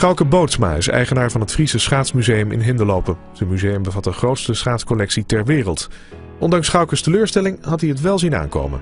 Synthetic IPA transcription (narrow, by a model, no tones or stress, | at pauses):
sχɑwkəbowtsma̰ːɪ̰sɛ̰jχənaːɹvɑnɦətfrisəsχaːtsmyzejəmɪ̰nɦɪndəlowpə | z̥ənmyzejəmbəvɑt̚dəχrowtstəsχaːtskɔlɛksitɛɹʋɪːrəlˠt | ɔndɑŋsχɑwkəstəløːɹstɛlɪŋɦɑtdiətʋɛlˠzina̰ːŋko̰wmə̰n